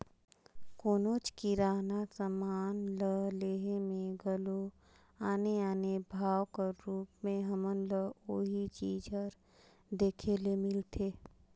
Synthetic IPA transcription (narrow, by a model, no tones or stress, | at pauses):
koːnoːt͡ʃkiɾaːnasəmaːnləleːɦemẽɡəlo | aːneaːnebʱaːwkəɾuːpmẽɦəmənləoːɦit͡ʃiːd͡ʒəɾ | d̪eːkʰeːlemɪlt̪ʰeː